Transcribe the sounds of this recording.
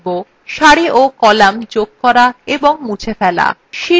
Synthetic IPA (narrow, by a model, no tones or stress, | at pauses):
bo | ʃaɽiʔokɔlamd͡ʑoɡ̚kɔɾaeboŋmut͡ɕʰefɛla̰ʃi